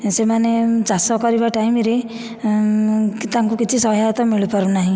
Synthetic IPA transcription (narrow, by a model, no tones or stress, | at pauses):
semaned͡ʒasɔkɔɾibaʈaimɾe | t̪ãŋkukit͡ʃʰisɔɦjat̪ɔmiɭupɔɾunaɦĩ